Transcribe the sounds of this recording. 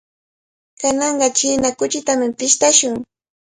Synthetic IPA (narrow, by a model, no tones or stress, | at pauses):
kanɑɴɢɑt͡ʃiːnakʊt͡ʃɪt̪amɪpɪʃt̪aʃʊŋ